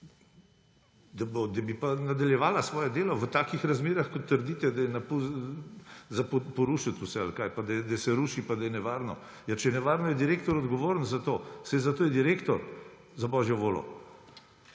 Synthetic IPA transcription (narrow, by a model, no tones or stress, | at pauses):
d̪abod̪ɐbipanad̪aljɛʋaːlasʋɔːjɛd̪eːlɔʋət̪aːkixɾazmeːɾaxkɔt̪ːəɾd̪iːt̪ɛd̪ajɛnapu | zɐppɔɾuʃət̪usɛa̰lkajpad̪ɐjɛd̪asɛɾuːʃipad̪ajɛnɛʋaːɾnɔ | jat͡ʃɛjnɛʋaːɾnɔjɛd̪iɾeːkt̪ɔɾɔd̪ɡɔʋoːɾənzat̪oːsɛjzat̪oːjɛd̪iɾeːkt̪ɔɾ | zabɔʒjɔʋoːlɔ̰